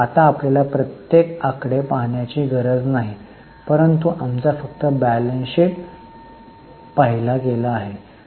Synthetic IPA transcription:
at̪aːpljalapɾət̪jekakɽepaɦɳjat͡ɕiɡʱəɾəd͡znaɦi | pəɾənt̪uʔamt͡safəkt̪əbælənsik | paɦilakelaːɦe

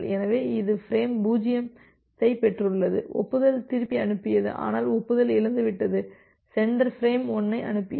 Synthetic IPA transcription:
lɛnɐʋeːɪðɯfɪɾeːmbuːd͡ʒɪjɐm | t̪ɐɪpɛʈrɯɭːɐðɯ̰ʔɔ̰pːɯðɐlt̪ɪɾɯpːiɐnɯpːɪjɐðɯ̰ʔa̰ːnaːlɔpːɯðɐlɪlɯnd̪ɯʋɪʈːɐðɯ | sɛɳɖɐɾfɾeːmɔnːɐɪʔɐ̰nɯpːɪjɐ

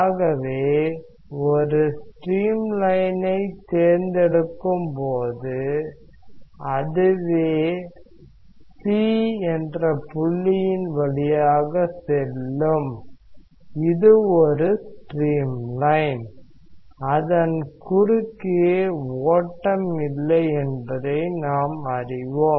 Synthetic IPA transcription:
ɣɐʋeː | ɔɾɯsʈɾiːmlɐɪnɐɪt̪eːɾnd̪ɛɽɯkːɯmpoːðɯ | ɐðɯʋeː | siːɛndrɐpʊɭːɪjɪnʋɐɭɪjaːɣɐsɛlːɯm | ɪðɯɔɾɯsʈɾiːmlɐɪn | ɐðɐnkʊɾʊkːɯjeːoːʈːɐmɪlːɐɪɛnbɐðɐɪnaːmɐrɪʋɔ

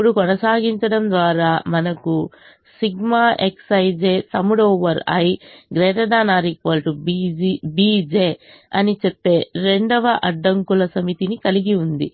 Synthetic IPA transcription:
puɽukɔnɐsaːɡiɲt͡ʃɐɽɐmd̪ʋaːɾaːmɐnɐku | siɡmaːʔeksɐjd͡ʒeːt̪ɐmuɽoːʋɐɾɐ̰jɡɾɛːʈ̪ɐd̪aːnaːɾikʋɐlʈubiibiːd͡ʒeː | ɐnit͡ʃepːe̞ːɾe̞ɳɖɐʋɐʔɐɖːɐŋkulɐsɐmit̪inikɐliɡiund̪ḭ

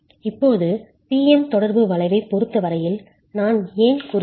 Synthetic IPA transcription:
ɪpːoːðɯ | piːɛmt̪ɔɽɐɾbɯʋɐɭɐɪʋɐɪpːɔɾɯt̪ːɐʋɐɾɐjɪl | naːneːnkuːɾ

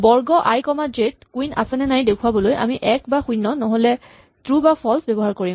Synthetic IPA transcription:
bɔɹɡɔʔajkɔmad͡ʒet̚kuina̰sɛnɛnajdekʰuabɔlojʔa̰miʔɛkbaxujnːɔnɔɦolɛ | tɹubapʰɔlsbɛbɔɦaɹkoɹim

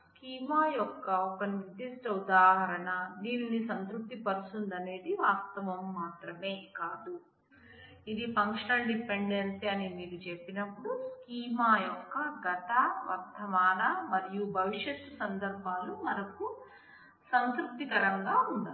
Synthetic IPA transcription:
skiːmaːjɔkːɐɔkɐniʋid̪isʈɐud̪aːɦɐɾɐɳɐd̪iːnnisɐnt̪ɾuk̚t̪ipɐɾusund̪ɐne̞ːd̪iʋaːst̪ɐʋɐmːaːt̪ɾɐme̞ːkaːd̪u | id̪ipɐŋkʂɐɳɐɳɖipːeɳɖensiɐnimiːɾut͡ʃepːinɐpːuɽuskiːmaːjɔkːɐɡɐt̪ɐʋɐ̰ɾt̪ʰːɐʋaːnɐmɐɾijubʱɐʋiʂjɐt̪ːusɐnd̪ɐɾbʱaːlumɐɾɐku | sɐnt̪ɾuk̚t̪ːikɐɾɐŋɡaːund̪i

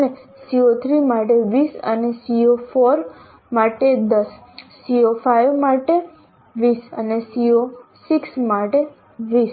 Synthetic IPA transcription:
ənesiot̪ʰɾimaʈeʋisə̰nesiofoɾ | maʈed̪əsː | iofajʋmaʈe | ʋisə̰nesiosiksmaʈe | ʋis

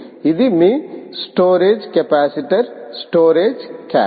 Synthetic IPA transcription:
id̪imisʈoːɾeːd͡ʒkepaːsiʈɐɾsʈoːɾeːd͡ʒka̰

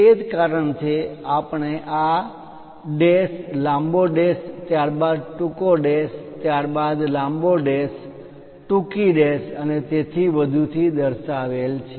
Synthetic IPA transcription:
ed͡ʒkaɾəɳt͡ʃʰeapɳeʔa | ɖeslãmboɖest̪jaɾbad̪ʈukoɖest̪jaɾbad̪lãmboɖes | ʈukiɖesənet̪et̪ʰiʋəd̪ʱut̪ʰid̪əɾʃaʋelt͡ʃʰe

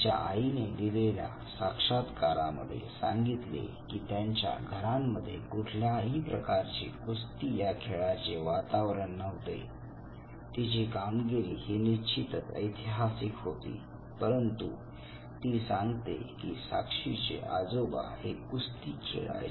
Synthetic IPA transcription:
t͡ɕa̰ained̪ilelja̰ | sakʂat̪kaɾamə̰d̪ʱːjḛsã̰ŋɡit̪lḛkiːt̪jaɲt͡ɕja̰ɡʱəɾamːəd̪ʱːjekuʈʰljaɦiːpɾəkaɾt͡ɕḭkust̪ijakʰeɭat͡ɕeʋat̪aʋɾəɳːəʋt̪ḛ | t̪it͡ɕikamɡiɾiːhinit͡ɕit̪ət̪ə̰jt̪ʰiɦasikɦot̪ḭː | pəɾənt̪ṵ | t̪iːsãŋɡt̪ḛkisa̰kʂit͡ɕḛʔad͡zoba̰hekust̪iːt͡ɕḛa̰

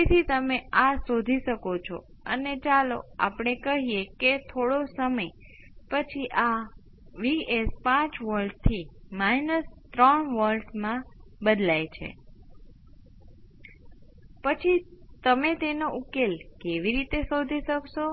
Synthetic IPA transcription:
it̪ʰit̪əmeasod̪ʱiʃəkot͡ʃʰo̰ | ənet͡ʃalo̰a̰pɳ̃ekəɦijeket̪ʰoɽosəməj | pət͡ʃʰiʔa | ʋiespãt͡ʃʋəɾɖ̚t̪ʰimajnəst̪ɾəɳʋəlɖmãbəd̪lajt͡ʃʰḛ | pət͡ʃʰit̪əmet̪enoʔukelkeʋiɾit̪esod̪ʱiʃəkʃo

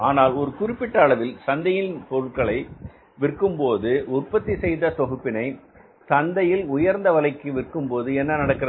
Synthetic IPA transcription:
aːnaːlɔɾɯkʊrɪpːɪʈːɐːɭɐʋɪlsɐnd̪ɐjɪnpɔɾɯʈ̚kɐɭɐɪ | ʋɪrkːɯmpoːðɯʊrpːɐt̪ːisɛjðɐsɔɣɯpːɪnɐɪ | sɐnd̪ɐjɪlʊjɐɾnd̪ɐʋɐlɐɪkːɯʋɪrkːɯmpoːðɯɛnːɐnɐɽɐkːɪrɐ

